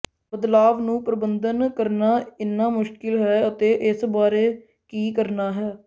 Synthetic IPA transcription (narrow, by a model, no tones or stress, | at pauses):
bəd̪laːʋnũːpɾəbənd̪ənkəɾnaːɪnːaːmʊʃkɪlɦɛːət̪eːʔɪsbaːɾeː | kiːkəɾnaːɦɛː